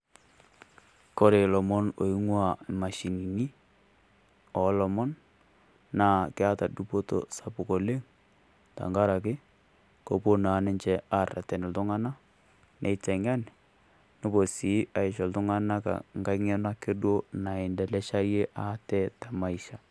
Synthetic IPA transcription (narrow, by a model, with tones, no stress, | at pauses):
ko˦ɾe˨lɔ˨mɔ˦no˨i˦ŋwa˦˨ma˨ʃi˨ni˨ni˦ | ɔ˨˦lɔ˨mɔ˦nː | aː˦˨kɪ˦a˦ta˨du˦po˦to̰˦sa˨pʊ˨ko˨le˦ŋ | ta̰˨ŋɡa˦ɾa˨kɪ˦ | ko˨po˦na˨˦nɪ˦ɲt͡ʃɛ˦a˦ra̰˨tɛ˨nɪ˨ltʊ˦ŋa˦na˦ | nʔe˨tɛ˨ŋa˦n | no˦bo˨si˨˦a˨ɪ˨ʃɔ˨ltʊ˦ŋa˦na˦ka̰˨ŋɡa˦ŋɛ˦na˦kɪ˦dwo˦na˨ɪ˨ndɛ˨lɛ˦ʃa˦je˦ʔa˨˦tɛ˦ta˨ma˦i˨ʃa˨